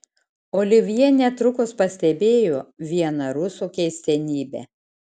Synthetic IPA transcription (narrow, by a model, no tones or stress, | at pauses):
oːlʲɪʋʲijɛnʲɛt̪ɾʊkʊspɐsʲt̪ʲɛbʲeːjoːʋʲiɛnɐɾʊsukʲɛɪsʲt̪ʲɛnʲiːbʲɛ̰